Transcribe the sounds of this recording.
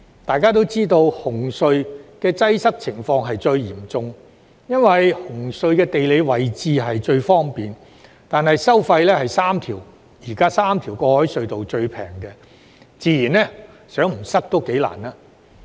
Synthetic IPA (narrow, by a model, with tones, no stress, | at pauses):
t̪aː˨jkaː˥t̪̬o˥wt͡siː˥t̪o˧whʊ˨˩ŋsɵ˧ɥkɛː˧t͡sɐ˥jsɐ˥k̚t͡sʰɪ˨˩ŋfɔː˧ŋɦɐ˨jt͡ʃɵ˧ɥjiː˨˩mt͡sʊ˧ŋ | jɐ˥nwɐ˨jhʊ˨˩ŋsɵ˧ɥkɛː˧t̪e˨jle˨˧jwɐ˨˩jt͡siː˧ɦɐ˨jt͡ʃɵ˧ɥfɔː˥ŋpiː˨n | t̪aː˨nɦɐ˨jsɐ˥wfɐ˧jlɛː˥hɐ˨jsaː˥mt̪ʰiː˨˩w | jiː˨˩kaː˥saː˥mt̪ʰiː˨˩wkɔː˧hɔː˨˥jsɵ˧ɥt̪o˨wt͡ʃɵ˧ɥpʰɛ̰ː˨˩ŋkɛ˧ | t͡siː˧jiː˨˩nlɛː˥ | sœː˨˥ŋm̩˨˩sɐ˥k̚t̪o˥wke˨˥jla̰ː˨˩naː˧